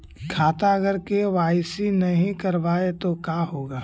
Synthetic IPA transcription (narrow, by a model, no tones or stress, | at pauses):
kʰaːt̪aɐɡəɾkeʋaːɪsinɐɦĩkɐɾʋaːet̪okaːɦoːɡaː